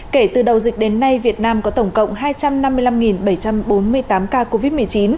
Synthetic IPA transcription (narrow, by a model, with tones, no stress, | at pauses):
ke˧˩t̪ɨ˨˩ɗə˨˩wzï˨˩k̟̚ɗe˨˦nːa˧jvi˨˩ət̚naː˧mkɔ˨˦t̪ə˧˩wŋ͡mkə̰˧˨wŋ͡mɦaː˧jt͡ɕa˧mna˧mːɨ˧əjla˧mŋi˨˩nɓə˧˩jt͡ɕa˧mɓo˨˦nmɨ˧əjt̪aː˨˦mkaː˧ko˧vi˦˥t̚mɨ˨˩əjt͡ɕi˨˦n